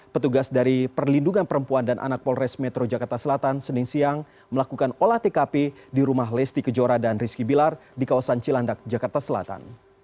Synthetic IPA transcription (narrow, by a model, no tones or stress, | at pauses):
pət̪uɡasdaɾipərlinduŋanpəɾəmpuandanʔa̰nak̚pɔlrɛsmɛt̪ɾod͡ʒakart̪asəlat̪ansənɪŋsiaŋ | məlakukanolaht̪ekapediɾumaɦlɛst̪ikəd͡ʒoɾadanriskibilardikawasant͡ʃilandak̚d͡ʒakart̪asəla̰t̪a̰n